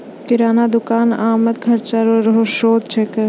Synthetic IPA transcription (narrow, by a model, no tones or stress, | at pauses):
kɪɾaːnad̪ʊkaːnaːmət̪̚kʰɐɾt͡ʃaɾoɾɦoʃoːd̪̚t͡ʃʰekə